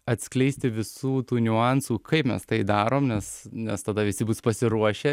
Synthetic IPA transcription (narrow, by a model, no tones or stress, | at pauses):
ɐt̪ʲsʲklʲɛɪsʲt̪ʲɪʋʲɪsuːt̪uːnʲʊɑnsuːkʰɐɪpmʲɛ̰st̪ɐɪd̪ɑːɾoːmnʲɛsnʲɛst̪ɐd̪ɐʋʲɪsʲɪbuːspɐsʲɪɾuɔʃʲɛ